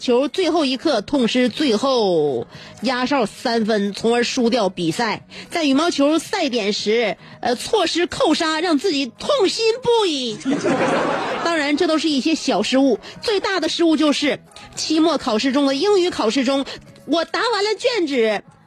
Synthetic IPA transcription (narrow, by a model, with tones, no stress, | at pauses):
t͡ɕʰjo˧˥ʊt͡swe˥˧ɪxo˥˩ʊi˧˥kʰɤ˥˧t̪ʰʊ˥˩ŋʂɻ̩˥t͡swe˥˧ɪxo˥˩ʊ | ja˥ʂɑ˥˩ʊsa˥nfə˥nt͡sʰʊ˧˥ŋə˞˧˥ʂu˥t̪jɑ˥˩ʊpi˨˩sa˥˩ɪt͡sa˥˩ɪy˨˩mɑ˥ʊt͡ɕʰjo˧˥sa˥˩ɪt̪̬jɛ˨˩nʂɻ̩˧˥˧ | t͡sʰwɔ˥˩ʂɻ̩˥kʰo˥˩ʊʂa˥ɻɑ˥˧ŋt͡sɹ̩˥˩t͡ɕi˨˩t̪ʰʊ˥˩ŋɕi˥npu˥˩i˥˩ | t̪ɑ˥ŋɻa˧˥nʈ͡ʂɤ˥˧˩t̪o˥ʊʂɻ̩˥˧i˥˩ɕjɛ˥ɕjɑ˨˩ʊʂɻ̩˥u˥˩t͡swe˥˧ɪt̪a˥˩d̪ə˩ʂɻ̩˥u˥˧t͡ɕjo˥˧ʊʂɻ̩˥˩t͡ɕʰi˥mwɔ˥˩kʰɑ˨˩ʊʂɻ̩˥˩ʈ͡ʂʊ˥ŋd̪ə˨i˥ŋy˧˥kʰɑ˨˩ʊʂɻ̩˥˩ʈ͡ʂʊ˥ŋwɔ˨˩t̪a˧˥wa˧˥nlə˧t͡ɕɥɛ˥˩nʈ͡ʂɻ̩˨˩˦